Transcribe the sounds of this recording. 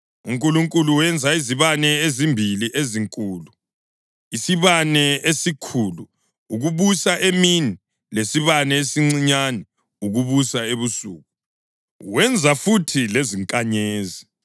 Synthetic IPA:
uŋkʼuluŋkʼuluwɛnd͡zʱaiziβanɛezimbʱiliʔeziŋkʼuːlu | isiβanɛesikʰuːlu | uɣuβusaʔemini | lesiβanɛesiŋ͡ǀiɲanɛ | uɣuβusaeβusṵːɣu | wɛnd͡zʱafutʰileziŋkʼaɲeːzi

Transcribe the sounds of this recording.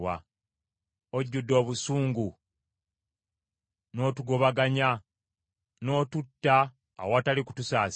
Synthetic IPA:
wa̰ | oɟːudːo̞ːβusuːŋɡu | no̞ːtuɡo̞βaɡaɲa | no̞ːtutːa̰ː | wataliku̥tusaːs

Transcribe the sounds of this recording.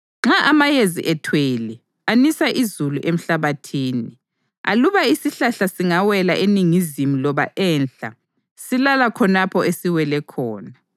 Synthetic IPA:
ŋ͡ǁaʔamajezḭʔɛtʰweːli | anisaʔizuluʔem̩ɬaβatʰiːni | a̰luβaisiɬaɬasiŋawɛlaʔeniŋizimulɔβaʔɛnɬa̰ | silalakʰɔnapʰɔesiwɛlɛkʰɔːna

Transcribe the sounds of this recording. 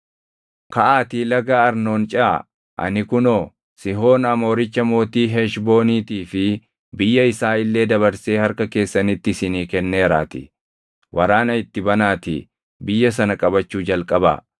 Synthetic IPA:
kɐʔaːt̪iːlɐɡaɐɾno̞ːnt͡ʃʼɐʔa̰ | ʔɐ̰nɪkʊnoː | sɪɦo̞ːnɐmo̞ːɾɪt͡ʃːɐmo̞ːt̪iːɦeʃbo̞ːniːt̪iːfɪ | bɪjːɐɪsaːɪlːe̞ːd̪ɐbɐɾse̞ːhɐɾkɐke̞ːsːɐnɪt̪ːɪsɪniːkɛnːeːɾa̰ːt̪ɪ̰ | wɐɾaːnɐɪt̪ːɪbɐnaːt̪ɪ̰ | bɪjːɐs̬ɐnɐkʼɐbɐt͡ʃːuːd͡ʒɐlkʼɐba̰ː

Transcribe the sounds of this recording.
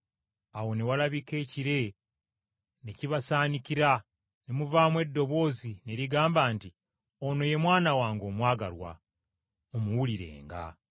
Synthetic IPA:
awo̞newalaβike̞ːciɾe̞ | neciβasaːnikiɾa | nemuvaːmwe̞dːo̞βo̞zine̞ɾiɡaːmbaːnti | ono̞je̞mwaːnawaːŋɡo̞mwaːɡaɾwa̰ | omuwuliɾe̞̰ːŋɡa̰

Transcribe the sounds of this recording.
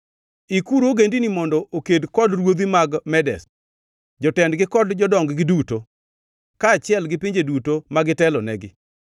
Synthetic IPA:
ikuɾoɡendinimɔndɔʔokedkɔdrwod̪imaɡmɛdɛ̰s | d͡ʒɔtɛndɡɪkɔdd͡ʒɔdɔŋɡɡɪduto | kat͡ʃɪɛlɡɪpiɲd͡ʒedutomaɡɪtɛlɔnɛɡɪ

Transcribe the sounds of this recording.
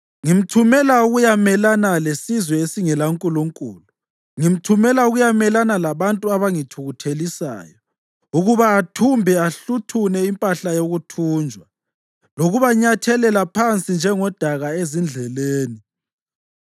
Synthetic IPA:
ŋim̩tʰumɛlauɣujamɛlanalesizwɛesiŋɛlaŋkʼuluŋkʼṵːlu | ŋim̩tʰumɛlauɣujamɛlanalaβantʼuaβaŋitʰuɣutʰelisa̰ːjɔ | uɣuβaːtʰumbʱɛaɬutʰunɛimpʼaɬajoɣutʰuːnd͡ʒʱwa | loɣuβaɲatʰɛlɛlapʰant͡sʼind͡ʒʱɛŋɔd̥ʱaɣaezind͡ɮʱɛleːni

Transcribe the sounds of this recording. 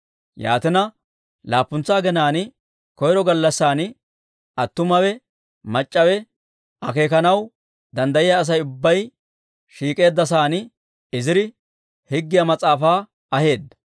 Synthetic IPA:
ja̰ːt̪ɪnɐ | laːpːʊnt͡sːaːɡɛnaːnɪ | kɔjɾɔɡɐlːɐsːaːnɪ | ɐt̪ːʊmɐwɛ | mɐt͡ʃʼːɐwɛ | ɐke̞ːkɐnɐw | d̪ɐnd̪ɐjɪjaːs̬ɐjʊbːɐj | ʃiːkʼe̞ːd̪ːɐs̬aːn | ɪzɪɾɪ | hɪɡːɪjɐmɐt͡sʼaːfaː | ɐhe̞ːd̪ːɐ̥

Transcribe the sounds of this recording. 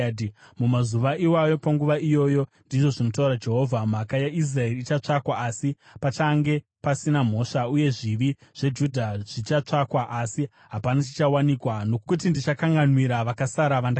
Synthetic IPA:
mumazuʋaʔiwajo̞paŋɡuʋaijo̞ːjo̞ndiʐo̞ʐino̞t̬auɾad͡ʒe̞ɦo̞vʱam̤akajais̬rae̞riːt͡ʃat͡ʂakwaasi | pat͡ʃaŋɡe̞ | pasinam̤o̞ʂauje̞ʐiʋiʐ̥e̞d͡ʒudʱaʐ̥it͡ʃat͡ʂakwaʔasi | ɦapanat͡ʃi̥t͡ʃawanikwano̞kut̬indit͡ʃakaŋɡanwiɾaʋakasaɾaʋanda

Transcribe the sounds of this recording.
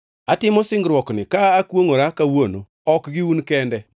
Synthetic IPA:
atɪmɔsɪŋɡɾwɔknɪkaːkwoŋoɾakawono | ɔkɡiunkɛndɛ

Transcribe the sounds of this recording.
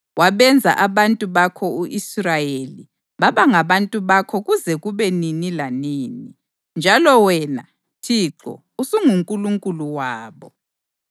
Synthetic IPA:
waβɛnd͡zʱa̰ʔaβantʼuβakʰɔuʔisrajeli | βaβaŋaβantʼuβakʰɔɣuzɛɣuβɛninilaniːni | nd͡ʒʱalɔwɛna | tʰiːǁɔ̰ | usuŋuŋkʼuluŋkʼuluwaːβɔ

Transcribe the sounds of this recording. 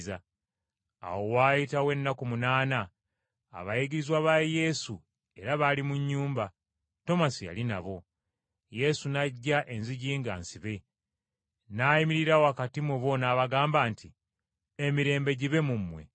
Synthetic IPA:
za | a̰wo̞waːjitawe̞nːakumunaːna̰ː | βajiɡiɾizwaβaje̞su | e̞ɾaβalimuɲːuːmba | to̞masija̰lina̰βo̞ | je̞sunaɟːaʔe̞nziɟiːŋɡa̰ːnsiβe̞ | naːjimiɾiɾawoakatimwuβo̞naːβaɡaːmbaːnti | emiɾe̞ːmbe̞ɟiβe̞mumːwe̞̰

